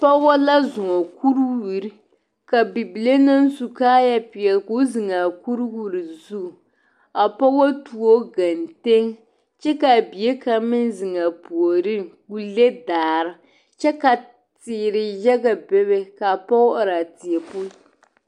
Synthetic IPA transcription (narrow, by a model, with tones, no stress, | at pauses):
pɔ˦ɡɔ˦la˦zʊ˨ŋɔ˨ku˦ɾwu˨ɾi˦ | ka˨bi˨bi˨le˦na˦n˦su˨kaː˦ja˦pɪ˨ɛ˨lku˦zɨ˨ŋa˨ku˦ɾwu˦ɾi˨zu˦˨ | a˨pɔ˦ɡo˦tu˨o˦ɡa˨nte˦ŋ | t͡ʃɛ˦ka˨bi˨e˦ka˨mɪ˦n˦zɨ˨ŋa˨pu˨o˨ɾɨ˦ku˦le˦daː˨ɾɪ˦ | t͡ʃɛ˦ka˨ | tɪː˨ɾɪ˨jɛ˦ɡa˨bɛ˦βe˦ka˨pɔ˦a˨ɾa˨tɪ˨ɛ˨pʊ˦